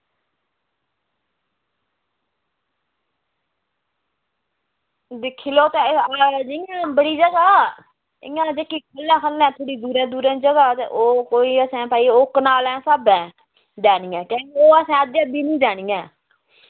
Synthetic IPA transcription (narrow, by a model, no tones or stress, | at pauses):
d̪ɪkʰːiːloːt̪ed͡ʒɪjãːbəɽiːd͡ʒəɡaː | ɪ̰jãːd͡ʒekiːkʰəlːɛ̃ːkʰəlɛ̃ːt̪ʰoːɽiːd̪uːɾɛ̃ːd̪uːɾɛ̃ːd͡ʒəɡaːt̪eʔoːkoːiːəsɛ̃ːpaːiːʊknaːlɛ̃ːsaːbɛ̃ː | d͡ʒɛːniːɛ̃ːkɛ̃ːkeoːəsɛ̃ːəd̪eːəb̪iːnĩːd͡ʒaːɽ̃iːɛ̃ː